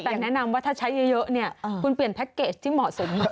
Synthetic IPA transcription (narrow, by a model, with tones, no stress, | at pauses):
taː˨˩ŋnɛ˨˦˥na˧mvaː˨˦˥t̪ʰa˦˥t͡ɕʰa˨˦jʔi˧jəː˦˥ʔni˧˩ə˧˨u˧npi˨˩ənt̪ʰɛ˦˥k̚kːe˧˩t̚t͡ɕʰi˨˦mɔː˨˩su˨˦ŋ͡m